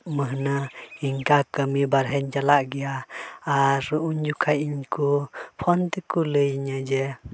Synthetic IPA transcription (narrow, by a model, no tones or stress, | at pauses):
məɦnəhiŋkakəmibaɾɦɛnd͡ʒalaʔɡɛjaː | ɾuɲd͡ʒukʰajiɲkupʰɔnt̪ikuləjɲəd͡ʒɛ